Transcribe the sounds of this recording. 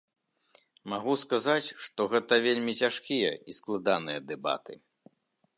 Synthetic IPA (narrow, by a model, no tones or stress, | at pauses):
maɣuskazat͡sʲʂt̪ɔɣɛt̪ɐvʲelʲmʲit͡sʲaʂkʲijɐ̰isklˠad̪anɨjɐd̪ɛba̰t̪ɨ